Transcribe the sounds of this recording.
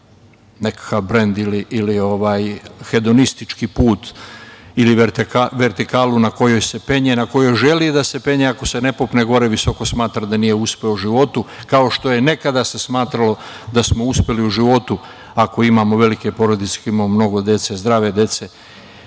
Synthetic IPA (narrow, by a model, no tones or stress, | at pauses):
ne̞kḁkaʋbɾe̞nd̪iliʔːlio̞ʋaːjxe̞d̪o̞nist̪it͡ʃkipuːt̪ | iliaʋe̞ɾt̪ikaːlunako̞jo̞jse̞pe̞ɲenako̞jo̞jʒe̞lid̪ase̞pe̞ɲeakose̞ne̞popne̞ɡo̞ɾe̞ʋiso̞ko̞smaːt̪ɾad̪anije̞uspe̞ouʒiʋo̞t̪ukao̞ʃt̪o̞je̞ne̞kad̪ase̞smaːt̪ɾalo̞ | d̪asmo̞uspe̞liuʒiʋo̞t̪u | ako̞imaːmo̞ʋe̞like̞po̞ɾo̞d̪it̪se̥kimamomno̞ɡo̞d̪je̞t̪se̞zd̪ɾaːʋe̞d̪e̞t̪se̞